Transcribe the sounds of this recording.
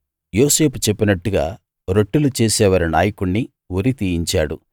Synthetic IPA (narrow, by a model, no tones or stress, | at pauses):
joːse̞ːpu̥t͡ʃepːinɐʈːuɡa̰ː | ɾoʈːulut͡ʃeːsɛːʋaːɾina̰ːjɐkuɳːi | woɾit̪iːjiɲt͡ʃaːɽṵ